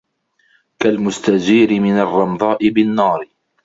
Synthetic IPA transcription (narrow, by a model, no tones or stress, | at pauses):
kalmʊst̪ad͡ʒiːɾɪmɪnarˤːɑmd̪ˤɑːʔɪbɪnːɑːɾ